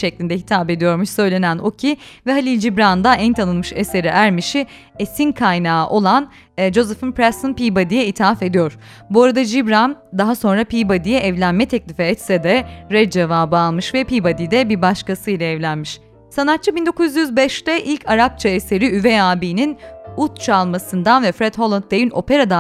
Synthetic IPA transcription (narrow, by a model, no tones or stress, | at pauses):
ʃɛclʲind̪ɛɦit̪ʰaːbe̞d̪ijo̞ɾmuʃsø̞jlʲe̞næno̞cʰivɛɦalʲilʲd͡ʒibɾand̪aɛnt̪ʰanɯnˠmɯʃese̞ɾɛʔæɾmiʃi | esinkʰajnaːʔo̞lˠan | d͡ʒo̞zɛfɯnpɾɛsɯnpibad̪ijɛit̪ʰiafe̞d̪ijoɾ̥ | buaɾad̪ad͡ʒibɾand̪aɦaso̞nɾapijbad̪ijɛʔɛvlʲænmɛt̪ʰɛclʲifɛːt̪sɛd̪ɛɾɛd͡ʒevaːbɯalˠmɯʃvɛpijbad̪id̪ɛbiɾbaʃkasɯjlʲˠaɛvlʲænmiʃ | sanat̪̚t͡ʃʰːɯbind̪o̞kuzjyzbɛʃt̪ɛʔilʲcʰaɾap̚t͡ʃʰaese̞ɾiyvɛaːbiːninut̪̚t͡ʃʰalˠmasɯnd̪anvɛfɾɛd̪̥ho̞lˠant̪̚d̪ejino̞pʰe̞ɾad̪a